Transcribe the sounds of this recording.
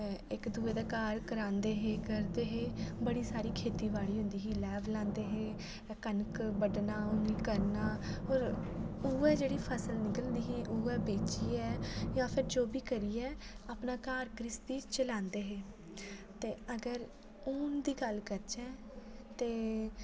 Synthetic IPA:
ɪkd̪uːeːd̪aːkaːɾkəɾãːnd̪eːɦeːkəɾd̪eːɦeːbəɽiːsaːɾiːkʰeːt̪iːʋaːliːɦʊ̃nd̪iːɦiːlɛːʋlãːnd̪eːɦeː | kənkbəɖnaːʊniːkəɾnaːɦoːɾuːɛːd͡ʒeːɽiːpʰəsəlnɪkəlnd̪iːɦiːʔʊːɛːbeːt͡ʃiːɛːjãːpʰɪɾd͡ʒoːbiːkəɾiːɛːaːpnaːkaːɾkɾɪsd̪iːt͡ʃəlãːnd̪eːɦeː | t̪eːəɡəɾ | ʊnd̪iːɡəlkəɾt͡ʃɛː | t̪eː

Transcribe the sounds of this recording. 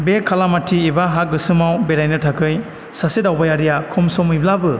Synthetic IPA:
bekʰːalamatʰiːbaɦak̚ɡɯsɯmawbeɾajnɯtʰakʰɯj | sasidawbajaɾijakʰɔmsɔmɯjblabɯ

